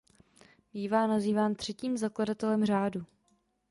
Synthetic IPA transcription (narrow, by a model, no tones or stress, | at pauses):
biːvaːnaziːvaːnt̪r̝̥ɛciːmzakladat̪ɛlɛmr̝aːdu